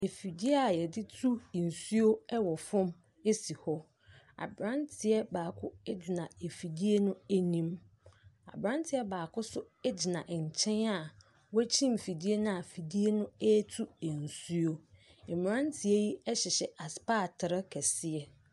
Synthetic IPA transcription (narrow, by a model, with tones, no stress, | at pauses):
e˨fi˨di˦e˦a˨jɛ˨dɪ˦tʰu˦˨n̩˨su˦o˦ɛ˦wɔ˨fʊ̃˦m | e˦si˨hɔ˦ | a̰˨bɾã˦ntʰɪ˨ɛ˦baː˨kʰʊ˦ɛ˦d͡ʑɪ˨nã˨e˨fi˨di˦e˦nʊ̃˦e˦nĩ˦m | a̰˨bɾã˦ntʰɪ˨ɛ˦baː˨kʊ˦sʊ˦ | ɛ˦d͡ʑɪ˨nã˨ʔɲ̩˨t͡ɕʰɛ̃˦na˨ | wɔ˦æ˦t͡ɕʰĩ˦˨m˨fi˨di˦e˦nʊ̃˦a˨fi˨di˦e˦nʊ̃˦ɛ˦tʰu˦e˨n̩˨su˦o˦ɛ˨m˨ɾã˦ntʰɪ˨e˦ji˦ɛ˦ɕɪ˨ɕɛ˨ʔa˨spa˦˨tʰɪ˨ɾɪ˦kʰɛ˨sɪ˦ɛ˦